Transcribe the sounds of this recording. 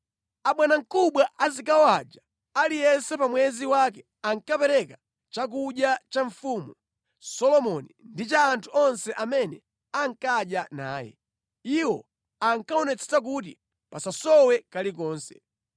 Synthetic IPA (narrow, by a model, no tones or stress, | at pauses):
aɓwanaŋ̩kuɓwaʔazikawad͡ʒa | alijɛnsɛpamwɛziwakɛ | aŋkapɛɾɛka | t͡ʃak̬uɗjat͡ʃaɱfumu | sɔlɔmɔnindit͡ʃaːntʰuɔnsɛʔamɛnɛ | aŋkaɗjana̰ːjɛ̰ | iwɔ | aŋkaɔnɛt͡sʰɛ̥sak̬ut̬i | pasasɔwɛkalik̬ɔːnsɛ̰̥